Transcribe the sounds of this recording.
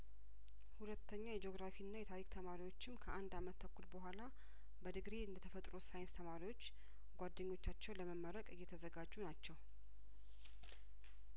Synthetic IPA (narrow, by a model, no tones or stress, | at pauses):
hulət̪ʰːəɲːajd͡ʒo̞ɡɾafiɨnːajɛt̪ʰaɾikʼt̪ʰəmaɾiwo̞t͡ʃːɪmkʰəʔand̪amət̪ːʰəkʰʷːulbəɦʷala | bəd̪ɨɡɾeɨnd̪ət̪ʰəfət̪ʼɾusajɪnst̪ʰəmaɾiwo̞t͡ʃː | ɡʷad̪ːəɲːo̞t͡ʃːat͡ʃːɛwləməmːəɾəkʼɨjːɛt̪ʰəzəɡad͡ʒːunat͡ʃːɛw